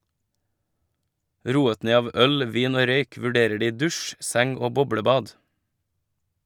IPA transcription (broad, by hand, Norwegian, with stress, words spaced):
ˈɾuːət ˈneː ˈɑːʋ ˈœl ˈʋiːn ˈoː ˈɾœʏk ʋʉˈɖeːɾə ˈɖiː ˈdʉʃ ˈsɛŋ ˈoː ˈbɔbɽəˌbɑːd